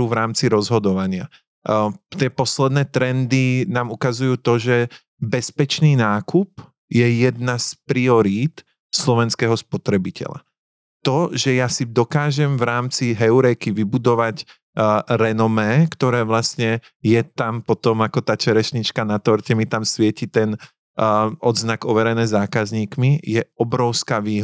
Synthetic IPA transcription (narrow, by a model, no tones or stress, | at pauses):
uvɾaːmt͡siɾɔzɦɔd̪ɔʋaɲɪa̰ | t̪ɪɛpɔslɛd̪nɛːt̪ɾɛnd̪inaːmukazujuːt̪ɔʒɛ | bɛspɛt͡ʃniːnaːkup | jɛjɛd̪naspɾiɔɾiːt̪ | slɔʋɛnskɛːɦɔspɔt̪ɾɛbicɛ̰la̰ | t̪ɔʒɛjasid̪ɔkaːʒɛmvɾaːmt͡siɦɛuɾɛjkiʋibud̪ɔʋac | ɾɛnɔmɛːkt̪ɔɾɛːʋlasɲɛ | jɛt̪ampɔt̪ɔmakɔt̪aːt͡ʃɛɾɛʃɲit͡ʃkanat̪ɔɾcɛmit̪amsʋɪɛcit̪ɛn | ʔɔd̪znaɡɔʋɛɾɛnɛːzaːkazɲiːkmijɛɔbɾɔʊskaːʋiːɦ